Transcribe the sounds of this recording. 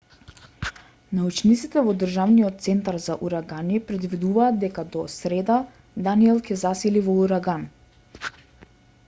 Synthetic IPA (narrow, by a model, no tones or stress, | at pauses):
naut͡ʃnit̪sit̪ɛvɔd̪ərʒavnijɔt̪̚t̪sɛnt̪aɾzaʔuɾaɡanipɾɛd̪vid̪uvaːt̪d̪̚d̪ɛkad̪ɔsɾɛd̪a | d̪aniɛlˠcɛzasilivɔuɾaɡan